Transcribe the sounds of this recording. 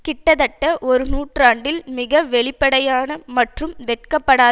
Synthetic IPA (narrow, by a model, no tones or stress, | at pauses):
kɪʈːɐðɐʈːɐʔɔɾɯnuːʈraːɳɖɪlmɪɣɐʋɛɭɪpːɐɽɐjaːnɐmɐʈrɯmʋɛʈ̚kɐpːɐɽaː